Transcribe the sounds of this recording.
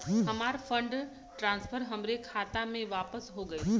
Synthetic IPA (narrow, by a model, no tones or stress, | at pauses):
ɦɐmaːɾfʰə̃ɳɖ | ʈɾãːnspʰəɾɦɐmɾekʰaːt̪amẽʋaːpəsɦoɡəe